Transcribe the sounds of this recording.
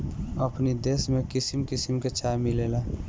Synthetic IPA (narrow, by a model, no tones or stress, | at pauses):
əpnid̪esmẽkɪsimkɪsimket͡ʃamilela